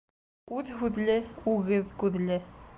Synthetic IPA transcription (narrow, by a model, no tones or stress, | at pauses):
uðɦuðlʲeuɣɘðkuðlʲe